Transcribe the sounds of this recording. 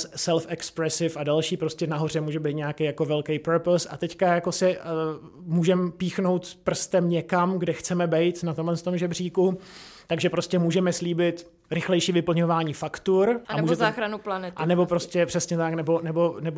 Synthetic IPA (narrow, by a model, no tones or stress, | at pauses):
ssɛlfɛkspɾɛsɪfadalʃiːpɾoscɛnaɦo̞r̝ɛmuːʒɛbijt̪̚ɲeakejako̞vɛlkɛjpɛɾposʔa̰t̪ɛckajako̞sɪ | muːʒɛmpiːxno̞wt̪pr̩st̪ɛmɲɛkamɡdɛxt͡sɛmɛbɛjt̪nat̪omlɛnst̪o̞mʒɛbriːkut̪aɡʒɛpɾoscɛmuːʒɛmɛsliːbɪt̪ | ɾɪxlɛjʃiːvɪpl̩ɲo̞vaːɲiːfakt̪uɾʔammuːʒɛt̪aːxɾanuplanɛtʔanɛbo̞pɾoscɛpr̥ɛsɲɛt̪aknɛbo̞nɛbo̞nɛb